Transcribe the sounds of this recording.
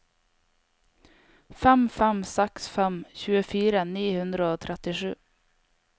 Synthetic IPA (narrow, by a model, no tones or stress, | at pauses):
fɛmfɛmsɛksfɛmçʉːəfiːɾəniːhʉnd̪ɾəoːt̪ʰɾʔɛt̪ɪʂʉ̰ː